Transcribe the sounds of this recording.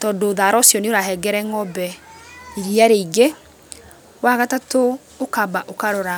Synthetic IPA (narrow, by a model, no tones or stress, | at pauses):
tɔdoːðaɾɔsjɔneoɾaɦɛɡɛɾɛŋɔbɛiɾiaɾeiɡe | waɣatatoː | kabaʔokaɾɔɾa